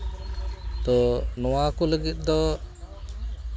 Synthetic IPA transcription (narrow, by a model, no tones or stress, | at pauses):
t̪ɔnɔwakɔləɡit̪̚ˀd̪ɔ